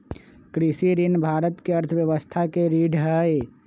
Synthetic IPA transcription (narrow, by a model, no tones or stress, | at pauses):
kɾɪsiɾinbʱaːɾət̪kiɐɾt̪ʰəʋjəʋəst̪ʰakeɾiːɖʱɦɛj